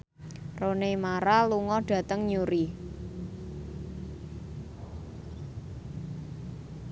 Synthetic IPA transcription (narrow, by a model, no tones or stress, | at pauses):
ronemaɾaluŋɔɖ̥ä̤t̪əŋɲuɾi